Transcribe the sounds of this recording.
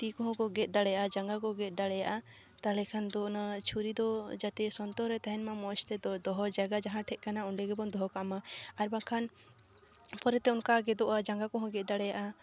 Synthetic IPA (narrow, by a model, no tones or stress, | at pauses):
t̪ikɔɦɔ̃kɔɡɛt̪̚ˀd̪aɽɛjaʔad͡ʒaŋɡakɔɡɛt̪̚ˀd̪aɽɛjaʔa | t̪alɛkʰand̪ɔɔnat͡ʃʰuɾid̪ɔd͡ʒat̪ɛsɔnt̪ɔɦɾɛt̪aɦɛnmamɔst̪ɛd̪ɔɦɔd͡ʒaɡad͡ʒaɦãʈʰɛt̪̚kanauɳɖɛɡɛbɔnd̪ɔɦɔkamaaɾbakʰan | pɔɾɛt̪ɛɔnkaɡɛd̪ɔʔad͡ʒaŋɡakɔɦɔ̃ɡɛˀd̪aɽɛjaʔa